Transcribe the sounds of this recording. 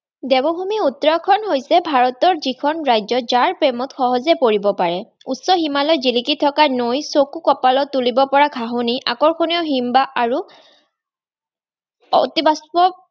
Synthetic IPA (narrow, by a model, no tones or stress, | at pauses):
dɛbɔbʱumiut̪ɹɔkʰɔnɦojsɛbʱaɹɔtɔɹzikʰɔnɹajzɔzaɹpɹemɔtxɔɦɔzɛpoɹibɔpaɹɛ | utsɔɦimalɔjzilikitʰɔkanojsokukɔpalɔt̪ulibɔpɔɹaɡʰʱaɦuniʔa̰kɔɹkʰoniɔɦimbaʔaɹu | ɔtibaspɔ